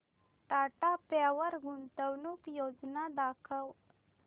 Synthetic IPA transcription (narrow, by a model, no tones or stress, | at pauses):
ʈaʈapawəɾɡunt̪əwnukjod͡ʒnad̪akʰəw